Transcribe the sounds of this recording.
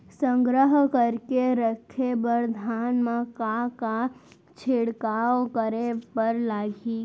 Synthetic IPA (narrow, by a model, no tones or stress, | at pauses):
sə̃ŋɡɾəɦkəɾkeɾəkʰːebəɾd̪ʱaːnmãkaka | t͡ʃʰɪɽkaːʋkəɾepəɾlaːɡi